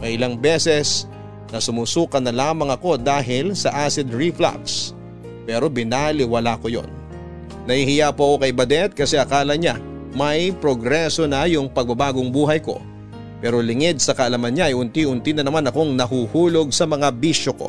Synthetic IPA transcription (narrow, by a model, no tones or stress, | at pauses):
mɐʔɪlaŋbɛsɛs | nɐsʊmuːsuːkɐnːɐlaːmɐŋɐko̞d̪aːɦɪlsɐʔaːsɪd̪ɹifla̰ps | pɛːɾo̞bɪnalɪwɐlako̞jo̰nː | ɐhihɪjaːpoɐko̞kɐjbɐd̪ɛt̪̚kɐsɛʔɐkaːlɐɲa | mɐjpɾoɡɾɛso̞nɐjʊŋpɐɡ̚bɐbaːɡoŋbuːɦɐjko̞̰ | pɛːɾo̞lɪŋɪd̪̚sɐkɐʔɐlamɐnɲaʔɐjʊnt̪iʔʊnt̪inɐnɐmanɐko̞ŋnɐhuːhuːlo̞ɡ̚sɐmɐŋabiʃoko̞̰